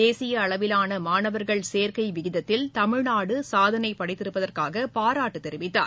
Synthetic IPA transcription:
eːsɪjɐːɭɐʋɪlaːnɐmaːnɐʋɐɾɣɐɭseːɾkɐɪʋɪɣɪðɐt̪ːɪlt̪ɐmɪɻnaːɽɯsaːðɐnɐɪpːɐɽɐɪt̪ːɪɾɯpːɐðɐrkaːɣɐpaːɾaːʈːɯt̪ɛɾɪʋɪt̪ːa̰ːɾ

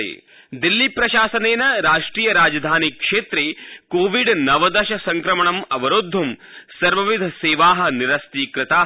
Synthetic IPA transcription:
ḛː | d̪ilːipɾɐʃaːsɐneːnɐɾaːʂʈɾiːjɐɾaːd͡ʒɐd̪ʱaːnikʂeːt̪ɾeːkoːʋiɖnɐʋɐd̪ɐʃɐsɐŋkɾɐmɐɳɐmɐʋɐɾod̪ʱːɐmsɐɾʋɐʋid̪ʱɐseːʋaːɦɐ̆niɾɐst̪iːkɾɪt̪aː

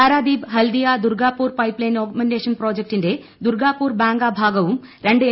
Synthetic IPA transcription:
aːɾaːd̪iːbɦɐld̪ijaːd̪uɾɡaːpuːɾpɐjplɐjnoːkmenɖeːʂɐnpɾoːd͡ʑɐk̚ʈinde | d̪uɾɡaːpːuːɾbaːŋɡaːbʱaːɡɐʋum | ɾeɳɖɨ

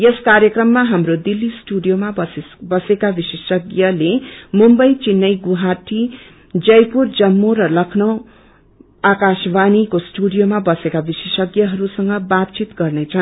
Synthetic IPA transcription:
jeskaɾjʌkrʌmːaɦamrod̪ilːisʈuɖijomaʌ | bʌsekabisesʌɡjʌlemumbʌjt͡sinːʌjɡuɦaʈʰi | d͡zʌjpurd͡zʌmːoɾʌlʌkʰnʌw̃ | akasbanikosʈuɽijomabʌsekabisesʌɡjʌɦʌɾusʌŋɡʌbatt͡sit̪ɡʌrnʌt͡sʰʌɦ

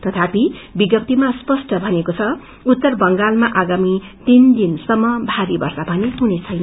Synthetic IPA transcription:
t̪ʌt̪ʰapibiɡʌp̚t̪imaspʌsʈʌbʱʌnekot͡sʰʌ | ut̪ːʌrbʌŋɡalmaʔaɡamit̪ind̪insʌmːʌbʱaɾibʌ̰rsabʱʌneɦunet͡sʰʌjnʌ

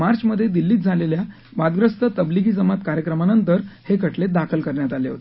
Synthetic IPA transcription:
maɾt͡ɕməd̪ʱːjed̪ilːiːt̪̚d͡zʱalelja | ʋad̪ɡɾəst̪ət̪əbliɡiːd͡zəmat̪kaɾjəkɾəmanənt̪əɾhekəʈʰled̪akʰəlkəɾɳjat̪aleɦo̰t̪e̥

